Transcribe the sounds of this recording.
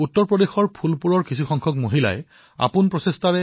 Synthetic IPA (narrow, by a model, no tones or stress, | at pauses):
utːɔɹpɹɔdexɔɹpʰulpuɹɔɹkisʰuxɔŋkʰɔkmoɦila̰ɛ | a̰punpɹɔsestaɹɛ